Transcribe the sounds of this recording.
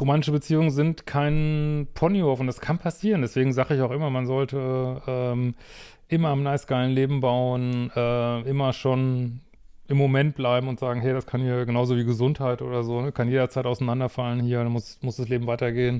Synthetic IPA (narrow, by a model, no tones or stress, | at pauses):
ʁomaːnɪʃəbət͡siːʊŋənzɪntkʰaɪnpʰɔniɔɐfʊntd̥askʰanpʰasiːʁəndɛsv̥eːɡŋ̩zaːχəɪçaʊxʔɪmɐmanzɔltəʔɛːm | ʔɪmɐamnaɪsɡ̥aɪlənleːbm̩baʊənʔɛːɪmɐʃoːn | ɪmːomɛnt̚b̥laɪbm̩ʊntz̥aːɡŋ̩ɦɛɪɾaskʰanhiːɐɡənaʊzoviːɡəzʊnthaɪtʔo̰ːdɐzoːnəkʰanjeːdɐt͡saɪtaʊsanandɐfalənhiːɐdanmʊsmʊsd̥asleːbm̩vaɪtɐɡeːən